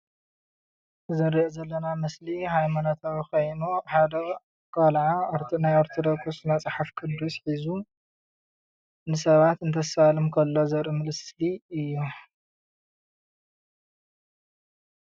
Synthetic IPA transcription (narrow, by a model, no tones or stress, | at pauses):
zɨɾiʔozɐlːɐnamɐslihajmanot̪ʰawikʰojnuħad̪ɐ | kʰʼalʕaoɾt̪ʰnajoɾt̪ʰod̪okʰusnat͡sʼħafkʰʼɨd̪usħizu | nɨsɐβat̪ɨnt̪ʰɐsalɨmkʰɐlːo̞zɐɾɨmɨlɨsliɨjːu